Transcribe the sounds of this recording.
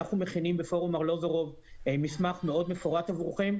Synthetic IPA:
aχnume̞χinimbefo̞ʁumaʁlo̞zaʁov | emismaχmeo̞d̪me̞foʁat̪avʁuχim

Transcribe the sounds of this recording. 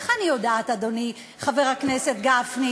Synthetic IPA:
χaniod̪aːt̪ad̪oni | χaveʁhaknese̞t̪ɡafni

